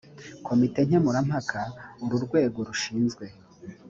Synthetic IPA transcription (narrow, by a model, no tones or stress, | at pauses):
kʰo̞mite̞ɲ̥emuɾam̥hakʰauɾuɾɡwe̞ːɡo̞ɾuʃiːnzɡwe̞